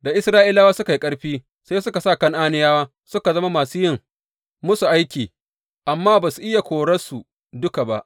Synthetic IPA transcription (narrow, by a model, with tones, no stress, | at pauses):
da˨ʔɪ˦sɾaː˦ʔɪ˦laː˦waː˦sʊ˦ka˨ji˦kʼɐ˦ɽɸiː˦ | sa˦sʊ˦ka˨sa˦˨kɐ˦ŋʔaː˦nɪ˦jaː˦waː˦ | sʊ˦ka˨zɐ˦ma˦maː˨suː˦jɪ˦˨ŋ | mʊ˦su˨ʔa˦jkʲiː˨ | ʔa˨mːaː˦baː˨su˨ʔɪ˦ja˨kʷoː˨ɽɐ˦su˨ | dʊ˦ka˨ba̰˦˨ʔ